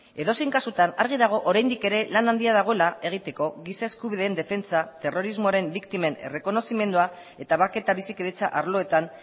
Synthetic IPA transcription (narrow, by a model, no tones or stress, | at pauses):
e̞ðo̞siŋkasut̪anaɾɣ̞iðaɣ̞o̞ʔoɾajnd̪ike̞ɾe̞lanand̪iaðaɣ̞o̞e̞lae̞ɣ̞it̪e̞ko̞ɣisae̞skuβiðe̞ːnd̪e̞fe̞nt͡sat̪e̞ro̞ɾizmo̞aɾe̞mbikt̪ime̞ne̞̰re̞ko̞no̞sime̞nd̪ua | e̞t̪aβake̞t̪aβisikeðet͡sa̰ʔaɾlo̞e̞t̪an